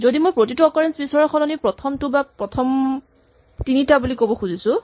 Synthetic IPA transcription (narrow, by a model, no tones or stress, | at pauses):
zodimojpɹotituɔkɔɹɛnsbisɔɹɔxɔnɔnipɹɔtʰɔmtʊbapɹɔtʰɔm | tinitabulikobɔxuzisʊ